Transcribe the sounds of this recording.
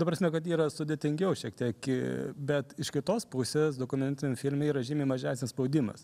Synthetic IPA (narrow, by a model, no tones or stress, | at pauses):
t̪ɐpɾɐsʲmʲɛkɐt̪iːɾɐsʊd̪ʲeːt̪ʲɪŋʲɡʲɛʊʃʲiɛk̚t̪ʲiɛkɪbʲɛt̪ɪʃkʲɪt̪oːspʊsʲeːsd̪oːkʊmʲɛnʲt̪ʲnʲfʲɪlʲmʲɛiːɾɐʒʲimʲemɐʒʲæːsʲnʲspɐʊd̪ʲɪmɐ̰s